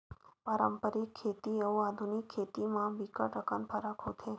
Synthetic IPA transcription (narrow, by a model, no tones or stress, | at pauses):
paɾəmpəɾikʰːet̪iəũad̪ʱunikʰːet̪imãʋikəʈəkanpʰəɾakʰot̪ʰe